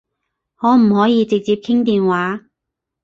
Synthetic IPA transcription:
hɔː˨˧˥m̩˨˩hɔː˨˥jiː˨˧t͡sɪ˨k̚t͡siː˧p̚kʰɪ˥ŋt̪iː˨nwaː˨˥

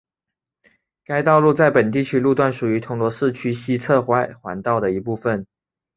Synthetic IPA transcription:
ka˥ɪt̪ɑ˥˧ʊlu˥˧t͡sa˥˩ɪpə˨˩nt̪̬i˥˩t͡ɕʰy˥lu˥˧t̪wa˥˩nʂu˨˩y˨˧˥t̪ʰʊ˧˥ŋlwɔ˧˥ʂɻ̩˥˩t͡ɕʰy˥ɕi˥t͡sʰɤ˥˧xwa˥˩ɪxwa̰˧˥nt̪ɑ˥˩ʊd̪ə˩i˧˥pu˥˩fə˨˩n

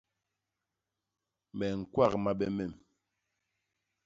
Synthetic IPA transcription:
mɛ˨ŋ̩˨kwa˦˨kma˦ɓɛ˦mɛ˨m

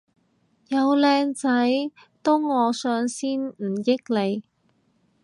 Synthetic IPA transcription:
jɐ˨˧wlɛː˧ŋt͡sɐ˨˥j | t̪ʊ˥wːɔː˨˧sœː˨˧ŋsiː˥nm̩˨˩jɪ˥k̚le˨˧j

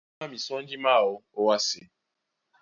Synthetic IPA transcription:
a˦mi˨sɔ˦n̩˦d͡ʒi˦ma˦˨ʊ˨o˦wa˦sɪ˨

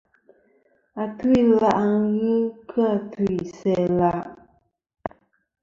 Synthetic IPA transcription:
a˨tu˦i˦la˦ʔa˦˨ŋɣɨ˦kʰɨ˦a˨tu˦i˨sɛ˦la˦

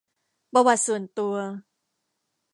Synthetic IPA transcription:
pa˧wa˨˩t̪̚su˨˩ənt̪u˧ɐ

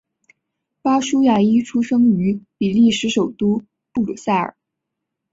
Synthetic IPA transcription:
pa˥ʂu˥ja˥˩i˥ʈ͡ʂʰu˥ʂɤ˥ŋy˧˥pi˨˩li˥˩ʂɻ̩˧˥ʂo˨˩ʊt̪u˥ | pu˥˩lṵ˨˩sa˥˩ə̰˨˩˦

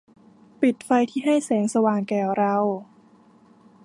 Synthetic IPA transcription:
pi˨˩t̪̚fa˧jt̪ʰiː˥˩ɦa˥˩jsɛː˩˦ŋsa˧waː˨˩ŋkɛː˨˩wɾa˧w

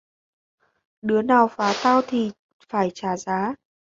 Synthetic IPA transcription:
ɗɨ˨˦ənaː˨˩wfaː˨˦t̪aː˧wt̪ʰi˨˩ | faː˧˩jt͡ɕaː˧˩zaː˨˦

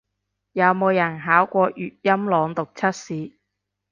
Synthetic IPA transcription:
jɐ˨˧wmo˨˧wjɐ˨˩nɦaː˨˥wkʷɔː˧ʔyː˨t̚jɐ˥mlɔː˨˧ŋt̪ʊ˨k̚t͡sʰɐ˥t̚siː˨˧

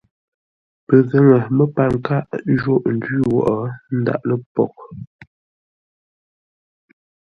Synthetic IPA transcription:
pə˨zə˦ŋə˨mə˦pa˨ŋ˨ka˦˨ʔʒo˦ʔn̩˨dɥi˦wɔ̰˨ʔɔ˨n̩˦da̰˦ʔlə˦pɔ̰˨k̚

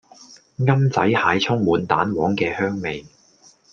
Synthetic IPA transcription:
ŋɐ˥mt͡sɐ˨˥jhaː˨˧jt͡sʰʊ˥ŋmuː˨˧nt̪a̰ː˨˥nwɔː˨˥ŋkɛː˧hœː˥ŋme˨j

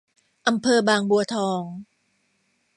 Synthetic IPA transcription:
ʔa˧mpʰɤː˧baː˨˧ŋbu˨˧ɐt̪ʰɔː˧ŋ

